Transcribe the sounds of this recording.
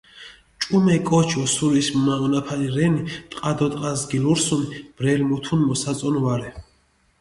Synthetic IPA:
t͡ʃʼumɛkʼɔt͡ʃʰɔsuɾismmaɔnapʰaniɾɛnit̪ʼqʼad̪ɔt̪ʼqʼazɡiluɾsunib̥ɾɛlmut̪ʰunmɔsat̪sʼɔnvaɾɛ

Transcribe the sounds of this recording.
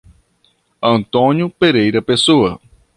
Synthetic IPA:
ɐ̃nt̪õnjʊpeɾejɾɐpesoɐ

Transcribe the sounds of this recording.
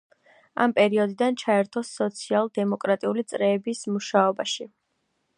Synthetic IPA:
a̰mpʼɛɾiɔd̪id̪ant͡ʃʰaɛɾt̪ʰɔsːɔt̪sʰialˠd̪ɛmɔkʼɾat̪ʼiulit̪sʼɾɛːbismuʃaɔbaʃi

